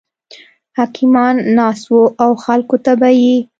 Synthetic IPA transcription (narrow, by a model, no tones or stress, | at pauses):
hɑkʰɪmɑnːɑswoʔawxalkot̪abaji